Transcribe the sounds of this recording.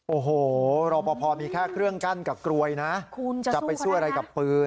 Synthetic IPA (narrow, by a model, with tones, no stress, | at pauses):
ʔoː˨˩ɦoː˨˩ɾɔː˧pɔː˧pʰɔː˧miː˧kʰaː˥˩kʰɾɯ˥˩əŋka˥˩nka˨˩p̚kɾu˧əjna˦˥ʔkʰt͡ɕa˨˩pːa˧jsu˥˩əʔɾa˧jka˨˩pːɯː˧